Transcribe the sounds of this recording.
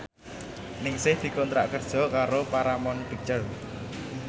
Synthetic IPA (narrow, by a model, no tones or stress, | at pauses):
nɪŋsɪhd̪̥i̤kɔnt̪ɾa̰ʔkərd̥ʒ̥ɔ̤kaɾopaɾamɔnɖ̥i̤t͡ʃər